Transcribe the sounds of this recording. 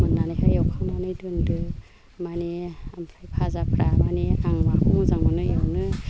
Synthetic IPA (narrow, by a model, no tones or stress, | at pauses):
mɯnːanɯjkʰajawkʰaŋnanɯjdɯndɯ | maniampʰɾajpʰazapʰɾamaniaŋmakʰuŋzaŋmɯnɯjewnɯ